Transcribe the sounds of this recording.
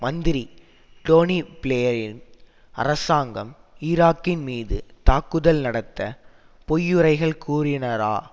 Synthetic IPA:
mɐnd̪ɪɾi | ʈoːnipɪɭleːjɐɾɪn | ɐ̰rɐsaːŋɡɐm | iːɾaːkːɪnmiːðɯ̰t̪aːkːɯðɐlnɐɽɐt̪ːɐ | pɔjːɯɾɐɪɣɐɭkuːrɪnɐɾa̰ː

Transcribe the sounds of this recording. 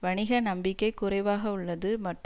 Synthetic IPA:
ʋɐɳɪɣɐnɐmbɪkːɐɪkʊrɐɪʋaːɣɐʊɭːɐðɯmɐʈr

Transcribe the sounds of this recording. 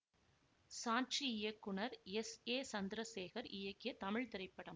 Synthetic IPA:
saːt͡ʃiɪjɐkːʊɳɐɾɛseːsɐnd̪ɪɾɐseːɣɐɾɪjɐkːɪjɐt̪ɐmɪɭt̪ɪɾɐɪpːɐɽɐm

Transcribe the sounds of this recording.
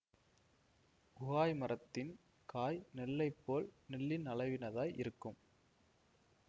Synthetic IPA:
ʊɣaːjmɐɾɐt̪ːɪn | kaːjnɪlːɐɪpːoːlnɪlːɪnɐlɐɪʋɪnɐðaːjʔɪɾɯkːɯm

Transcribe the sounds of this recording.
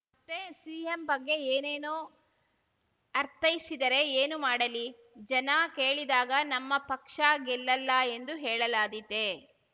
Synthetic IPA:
ɐt̪ːesiːembɐɡːe̞eːneːnoː | ɐɾt̪ʰɐjisid̪ɐɾe̞eːnumaːɽɐli | d͡ʒɐnɐkeːɭid̪aːɡɐnɐmːɐpɐkʂaːɡɛlːɐlːɐe̞nd̪uɦɛːɭɐlaːd̪it̪ːe

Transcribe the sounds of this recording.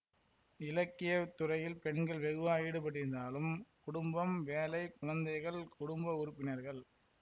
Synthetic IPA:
ɪlɐkːɪjɐt̪ːʊrɐjɪlpɛɳɡɐɭʋɛɣɯʋaːjɪɽɯpɐɽɪɾɪnd̪aːlɯmkʊɽʊmbɐmʋeːlɐɪkʊɻɐnd̪ɐɪɣɐɭkʊɽʊmbɐʊɾʊpːɪnɐɾɣɐɭ

